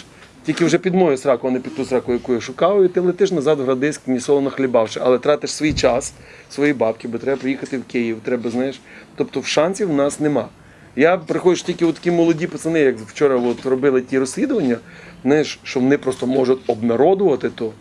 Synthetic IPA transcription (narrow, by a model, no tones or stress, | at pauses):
tʲilʲkʲɪwʒɛpʲid̪mɔjʊsɾɑkʊɔnɪpʲid̪t̪usɾɑkʊjɐkujʊʃʊkɑʋʊit̪ɪlˠet̪ɪʃnɐzɑd̪ɦɾɐd̪ɪsʲknʲisɔlˠɔnɔxlʲibɑwʃɪʔɐlˠɛt̪ɾɑt̪ɪʃsʋijt͡ʃɑs | sʋɔjibɑp̚kʲɪbɔt̪ɾɛbɐpɾejixɐt̪ɪwkʲejiwt̪ɾɛbɐznɑjeʃt̪ɔp̚t̪ɔwʃɑnʲsʲiwnɑsnemɑ | japɾɪxɔd͡ʒɪʃtʲilʲkʲɪɔt̪ːɐkʲimɔlˠɔdʲipɔsɐnɪjɐkwt͡ʃɔɾɐɔt̪rɔbɪlˠɪtʲiɾɔsʲlʲid̪ʊʋɐnʲːɐ | znajeʃʃt͡ʃɔʋɔnɪpɾɔst̪ɔmɔʒʊtʲɔbmeɾɔd̪ʊʋɐt̪ɪt̪ɔ